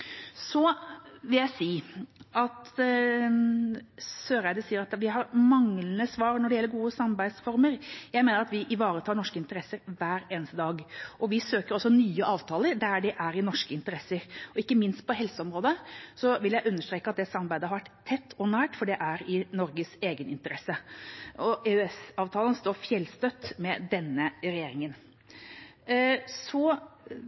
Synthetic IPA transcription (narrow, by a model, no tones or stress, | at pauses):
sɔʋɪljæɪsiːʔɑt̪ | søːɾæɪd̪əsiːəɾɑt̪ʋɪɦɑɾmɑŋlənəsʋɑːɾnɔɖɛjɛlːəɾɡuːəsɑmɑɾbæɪsfɔɾməɾjæɪmeːnəɾɑt̪ʋɪʔɪʋɑːɾət̪ʰɑːɳɔʂkəɪnt̪əɾɛsəɾʋæːɾeːnəst̪əd̪ɑːɡɔʋɪsøːkəɾɔsːɔnyːəʔɑːʋt̪ʰɑːləɾd̪æɖɪʔæɾɪnɔʂkəɪnt̪əɾɛsːəɾɔɪkːəmɪnst̪̚pɔɦɛlsəɔmɾoːd̪əsɔʋɪljæɪʔʉnːəʂtɾeːkəɑt̪̚d̪ɛsɑmɑɾbæɪd̪əhɑɾʋæʈːt̪ʰːɛt̪ʰːɔnæːʈfɔɖɛʔæɾɪnɔɾɡəseːɡənɪ̰nt̪əɾɛsːəɔʔeʉɛsɑːʋt̪ʰɑːlənst̪oːɾfjɛlst̪œt̪ːmɛd̪ɛnːəɾɛjeːɾɪŋən | sɔ